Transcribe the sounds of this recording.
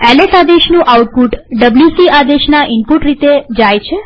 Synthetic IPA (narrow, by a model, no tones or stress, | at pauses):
ɛlesad̪eʃnũʔawʈ̚puʈɖəbljusiʔad̪eʃnaʔɪmpuʈɾit̪ed͡ʒajt͡ʃʰe